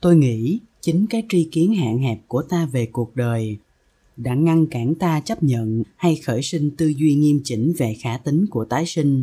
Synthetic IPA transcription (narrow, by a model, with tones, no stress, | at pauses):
t̪o˧jŋḭ˧˥ | t͡ɕï˨˦ŋ̟kaː˨˦jt͡ɕwi˧ki˨˦ənha̰ː˧˨ŋhɛ˨˩p̚ku˧˩ət̪aː˧ve˨˩ku˨˩ək̚ɗəː˨˩j | ɗa̰ː˧˥ŋa˧ŋkaː˧˩nt̪aː˧t͡ɕə˦˥p̚ɲə̰˧˨nha˧jxəː˧˩jsi˧ŋ̟t̪ɨ˧zwi˧ŋi˧əmt͡ɕï˨˧˦ŋ̟ve˨˩xaː˧˩˥t̪ï˨˦ŋ̟ku˧˩ət̪aː˨˦jsï˧ŋ̟